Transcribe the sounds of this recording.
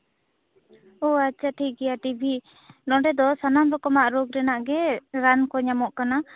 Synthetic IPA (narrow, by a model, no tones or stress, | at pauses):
ɔat͡ʃʰaʈʰik̚ɡɛjaʈibʱi | nɔ̃ɖɛd̪ɔsanamɾɔkɔmaʔɾoɡɾɛnaʔɡɛɾankɔɲamɔʔkana